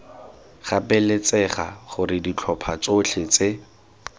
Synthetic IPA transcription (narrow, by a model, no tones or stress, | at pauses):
χapʼɛlet͡sɛχa̰χʊrɪdit͡ɬʰɔpʰat͡sot͡ɬʰet͡se